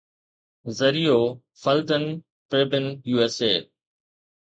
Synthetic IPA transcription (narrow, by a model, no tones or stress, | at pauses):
zɐɾijoː | fɐlt̪ən | pɾeːbɪnjuːeseː